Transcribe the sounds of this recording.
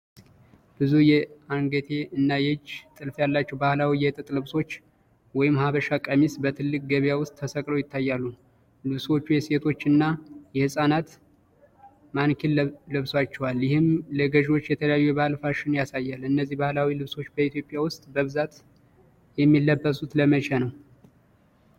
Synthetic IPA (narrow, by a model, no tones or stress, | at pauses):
bɨzujɛaŋɡət̪ʰe̞ɨnːajɛd͡ʒt̪ʼɨlfjalːat͡ʃːɛwbahlawijɛt̪ʼɨt̪ʼlɨβso̞t͡ʃː | wɔjɪmhaβəʃakʼəmisbət̪ʰɨlːɨk̚ʼɡəβjawʊst̪ʼʰːəsəkʼləwjɪt̪ʰːajːalːu | lɨβswo̞t͡ʃːujɛse̞t̪ʰo̞t͡ʃːɨnːajɛhɨsʼanat̪ | mankʰellɨβswat͡ʃːɛwaljɪhɨmləɡəʒo̞t͡ʃːjɛt̪ʰələjajːujɛβahlfaʃɪnjasajːalɨnːəzːihbahlawilɨβso̞t͡ʃːbəit̪ʰjo̞pʼjawʊst̪ʼbəβɨzat̪ | jɛmːilːəbːəsʼut̪ləmət͡ʃʰʼanəw